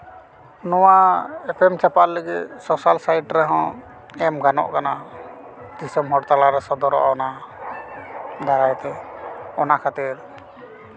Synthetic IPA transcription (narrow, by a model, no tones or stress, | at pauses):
nɔwaɛpʰɛmt͡ʃapalləɡit̪̚sɔsalsajʈɾɛɦɔ̃ | ɛmɡanɔ̰ʔkana | d̪isɔmɦɔɽt̪alaɾɛsɔd̪ɔɾɔ̰ʔa̰ɔna | d̪aɾajt̪ɛɔnakʰat̪iɾ